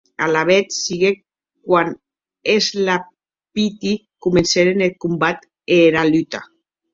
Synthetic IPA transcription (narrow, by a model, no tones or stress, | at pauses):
alaβet̪siɣe | kwan | ezla | pit̪i | kumenseɾenel̚kumbat̪ | eɾalyt̪a